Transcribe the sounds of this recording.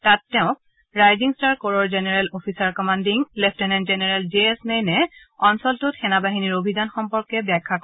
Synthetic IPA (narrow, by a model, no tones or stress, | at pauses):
tatːɛʊ̃k̚ | ɹajziŋstaɹkɔɹɔɹzenɛɹɛlopʰisaɹkɔmandiŋlɛpʰtɛnɛnzenɛɹɛlzeesnejnɛ | ɔnsɔltʊtxɛnabaɦiniɹobʱidanxɔmpɔɹkɛbakʰːak